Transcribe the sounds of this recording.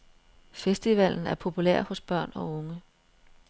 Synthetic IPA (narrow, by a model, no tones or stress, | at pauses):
fesd̥iʋæl̰n̩æɐpʰo̝pʰulḛɐ̰hɔ̽sb̥ɶɐ̰nɒ̽ɔ̽ŋə